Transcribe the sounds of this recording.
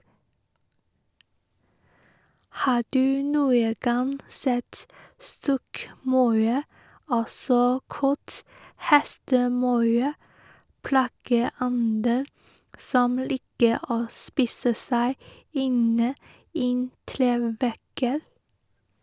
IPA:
ˈhɑː ˈɖʉː ˈnuːə ˈɡɑn ˈsɛt ˈstɔkˌmɑʉ ˈɔsɔ ˈkɑt ˈhɛstəˌmɑʉ ˈplɑːɡəˌɔndə ˈsɔm ˈliːkə ˈoː ˈspiːsə ˈsæɪ ˈɪnə ˈɪn ˈtɾeːʋækə

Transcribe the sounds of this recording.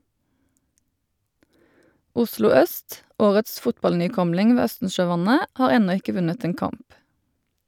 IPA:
ˈʊslʊ ˈœst ˈoːʁəts ˈfʊtbɑlnyːˌkɔmlɪŋ ˈʋeː ˈœstn̩ʃøːˌʋɑnə ˈhɑːʁ ˈɛnɔ ˈɪkə ˈʋʉnət ˈeːn ˈkɑmp

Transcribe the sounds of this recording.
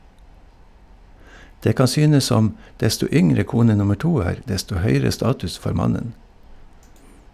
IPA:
ˈdeː ˈkɑn ˈsyːnəs ˈsɔm ˈdɛstʊ ˈʏŋɾə ˈkuːnə ˈnʊmə ˈʈuː ˈæːɾ ˈdɛstʊ ˈhœʏɾə ˈstɑːtʉs ˈfoːɾ ˈmɑnən

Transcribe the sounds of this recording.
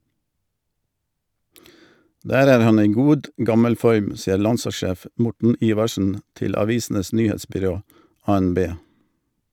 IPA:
ˈdæːɾ ˈæːɾ ˈhɑn ˈiː ˈɡuːd ˈɡɑməl ˈfɔɾm ˈsiːəɾ ˈlɑnsɑˌʃeːf ə ˈmʊʈɳ̩ ˈiːʋɑʃn̩ ˈtɪl ɑˈʋiːsn̩əs ˈnyːˌheːtsbʏˌɾoː ˌɑːɛnˈbeː

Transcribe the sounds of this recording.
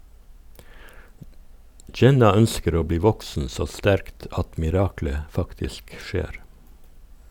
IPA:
ˈd͡ʒɛnɑ ˈœnskəɾ ˈoː ˈbliː ˈʋɔksn̩ ˈsoː ˈstæɾkt ˈɑt mɪˈɾɑːklə ˈfɑktɪsk ˈʃeːɾ

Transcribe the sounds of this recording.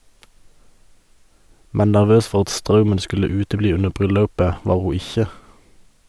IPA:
ˈmɛn næʁˈʋøːs ˈfɔʁ ˈɑt ˈstʁɑʉmən ˈskʉlə ˈʉːtəˌbliː ˈʉnə ˈbʁʏˌlɑʉpə ˈʋɑːʁ ˈhuː ˈɪçə

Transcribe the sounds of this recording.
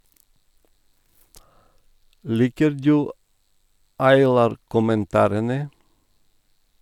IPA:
ˈliːkəɾ ˈdʉː ɑɪˈlɑːɾ kʊmənˈtɑːɾənə

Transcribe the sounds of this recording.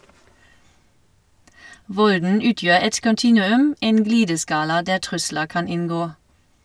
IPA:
ˈʋɔldn̩ ˈʉːˌtjøːʁ ˈɛt kɔnˈtiːnʉˌʉm ˈeːn ˈɡliːdəˌskɑːlɑ ˈdæː ˈtʁʉsləʁ ˈkɑn ˈɪnˌɡoː

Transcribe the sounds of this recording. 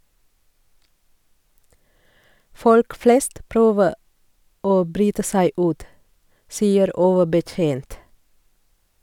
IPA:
ˈfɔlk ˈfleːst ˈpɾøːʋə ˈoː ˈbɾyːtə ˈsæɪ ˈʉːt ˈsiːəɾ ˈoːʋəbəˌtjeːnt

